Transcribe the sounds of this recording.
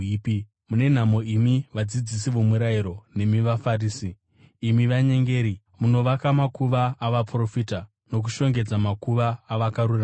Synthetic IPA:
pi | mune̞n̤amo̞imiʋad͡zid͡zis̬iʋomuɾaiɾo̞ne̞miʋafariːsiː | miʋaɲe̞ŋɡe̞ːɾi | muno̞ʋakamakuʋaːʋapro̞fita | no̞k̬uʃo̞ŋɡe̞d͡zamakuʋaːʋakarura

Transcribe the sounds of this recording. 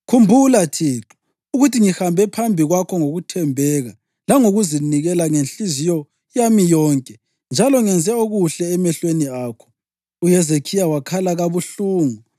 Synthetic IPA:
kʰumbʱulatʰiːǁu̥ | uɣutʰiŋihambʱɛpʰambʱiɣwakʰɔŋoɣutʰɛmbʱɛɣa | laŋoɣuziniɣɛlaŋenɬizijɔ | jamijɔːŋkʼɛ | nd͡ʒʱalɔŋɛnd͡zʱɛoɣuɬɛːmɛɬweniaːkʰɔ̥ | ujɛzekʰijawakʰalaɣaβuɬuːŋu

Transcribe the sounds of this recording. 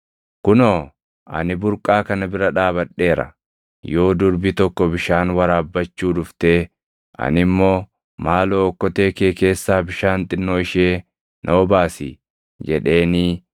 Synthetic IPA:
kʊnoː | ʔɐ̰nɪbʊɾkʼaːkɐnɐbɪɾɐᶑaːbɐᶑːe̞ːɾɐ̰ | jo̞ːd̪ʊɾbɪt̪ɔkːɔbɪʃaːnwɐɾaːbːɐt͡ʃːuːd̪ʊft̪e̞ː | ɐ̰nɪmːo̞ː | maːloːkːɔt̪e̞ːkeːke̞ːsːaːbɪʃaːnt̪ʼɪnːoːɪʃeː | nʔɐwɔbaːsḭː | d͡ʒɛᶑe̞ːniː

